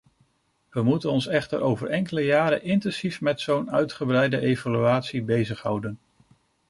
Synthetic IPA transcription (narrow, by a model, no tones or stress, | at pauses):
ʋəmutənɔnsɛχtə̰ɾowvəɹʔɛŋkələjaːɾə̰ʔɪntɛnsifmɛtsownœɥtχəbrɛjdəʔejvalyaːtsibejzəχɦʌwdən